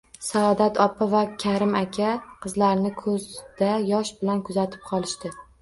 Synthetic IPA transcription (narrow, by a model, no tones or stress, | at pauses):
saːd̪at̪ʰɒpʰavakʲʰaɾɪmakʲʰaqʰɨzlaɾnɪkʰɵzd̪̥ajɒʃbɪlankʰʊzat̪ʰɪ̥p̚qʰɒlˠɪʃt̪ɪ